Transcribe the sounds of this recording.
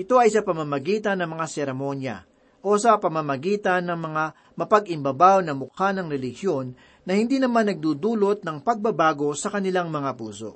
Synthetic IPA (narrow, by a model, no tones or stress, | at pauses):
ʔɪt̪o̞ʔɐjsɐpɐmamɐɡiːt̪ɐnːɐŋmɐŋasɛɾɛmo̞njɐ̰ | ʔo̞sɐpɐmɐmɐɡiːt̪ɐnːɐŋmɐŋa | mɐpɐɡɪmbɐbawnɐmʊkanɐŋɾɛlɪhjo̞nː | ɐhɪnd̪iːnɐmanːɐɡ̚d̪ud̪uːlo̞t̪̚nɐŋpɐɡ̚bɐbaːɡo̞sɐkɐnɪlaŋmɐŋapṵːso̞̰ʔ